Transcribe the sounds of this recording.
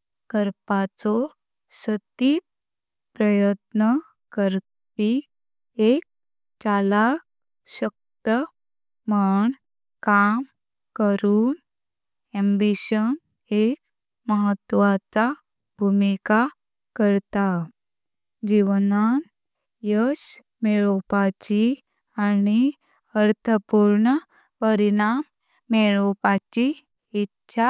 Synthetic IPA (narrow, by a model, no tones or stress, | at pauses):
kəɾpat͡sɔ | sət̪iːt̪̚ | pɾəjət̪nə | kəɾ | pi | ek̚ | t͡ɕalak̚ | ɕək̚t̪ə | maɳ | kam | kəɾuːn | ɛ̃mbiɕən | ek̚ | məɦət̪ːʋat͡sa | bʱumika | kəɾt̪a | d͡ʒiʋənaːn | jəʃ | meɭopat͡ʃi | ani | əɾt̪ʰəpuːɾɳə | pəɾinaːmː | eɭopat͡ʃiː | tːʃʰa